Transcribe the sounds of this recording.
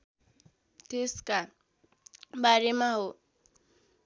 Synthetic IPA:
t̪eska | baɾemaɦo

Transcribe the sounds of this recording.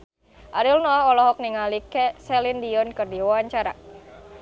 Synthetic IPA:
ʔaɾilnɔaɔlɔɦɔk̚niŋalikɛsɛlindiɔnkɨrdiwawaɲt͡ʃaɾa̰

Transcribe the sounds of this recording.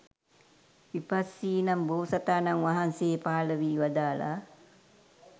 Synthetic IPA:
ʋipasːiːnamboːsat̪aːnaŋʋaɦanseːpaːləʋiːʋad̪aːla̰

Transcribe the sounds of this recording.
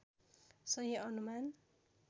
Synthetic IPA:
sʌɦʌʌnuman

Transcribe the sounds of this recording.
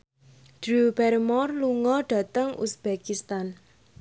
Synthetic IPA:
d̥ɾuubɛɾmɔrluŋɔɖ̥ä̤t̪əŋṵsb̥ekist̪an

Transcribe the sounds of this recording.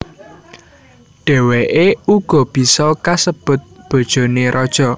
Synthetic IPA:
ɖ̥e̤weʔeuɡ̥ɔ̤b̥i̤sɔkasəb̥ʊ̤t̪̚b̥o̤d̥ʒ̥o̤neɾʔɔd̥ʒ̥ɔ̤

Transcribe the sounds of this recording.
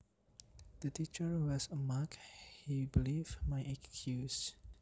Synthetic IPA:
d̪̥ətit͡ʃəɹwɔsəmakhibilivmajʔɛkkʰjus

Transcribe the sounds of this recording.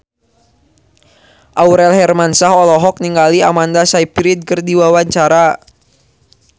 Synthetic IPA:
ʔauɾɛlɦɛrmansaɦɔlɔɦɔk̚niŋɡaliamandasaipiɾit̪̚kərdiwawaɲt͡ʃaɾa

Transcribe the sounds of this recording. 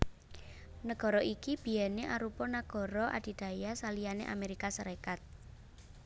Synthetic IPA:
nəɡ̥ɔ̤ɾɔʔikib̥i̤jɛneʔaɾupɔnaɡ̥ɔ̤ɾɔʔa̰d̪̥i̤d̪̥a̤jasalijanḛʔa̰meɾikasəɾekat̪̚

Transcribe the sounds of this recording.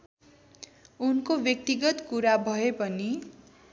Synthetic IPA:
unkobjʌk̚t̪iɡʌt̪kuɾabʱʌepʌni

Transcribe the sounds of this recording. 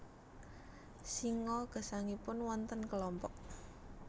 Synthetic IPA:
siŋɔɡ̥ə̤saŋipʊnwɔnt̪ənkəlɔmpɔʔ

